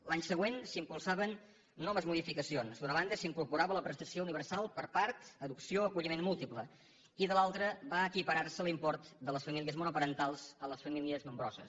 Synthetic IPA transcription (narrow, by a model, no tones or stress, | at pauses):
laɲsəɣ̞wensimpulˠsaβənː | ɔməzmuðifikəsionzd̪unəβand̪əsiŋkuɾpuɾaβələpɾəst̪əsiouniβəɾsalˠpəɾpaɾt̪əðuksioəkuʎimenmːulˠt̪iplə | iðəlalˠt̪ɾəβaəkipəɾarsəlˠimpɔɾt̪d̪ələsfəmiliəzmunupəɾənt̪alˠzələsfəmiliəzməmbɾɔ̰zə̰s